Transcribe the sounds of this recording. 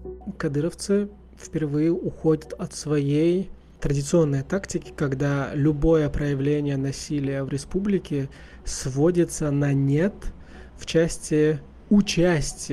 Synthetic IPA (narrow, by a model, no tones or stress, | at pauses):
kɐd̪ɨɾəft̪sɨ | fpʲɪrvɨjɪʔʊxo̞dʲət̪ɐt̪svɐjej | t̪ɾədʲɪt̪sɨo̞nːəjt̪aktʲɪkʲɪ̥kɐɡd̪alʲʊbo̞jəpɾəjɪvlʲenʲɪjənɐsʲilʲɪjəvɾʲɪspublʲɪkʲɪ | svo̞dʲɪt̪sənɐnʲet̪ | ft͡ɕæsʲtʲɪ | ʊt͡ɕæsʲtʲɪ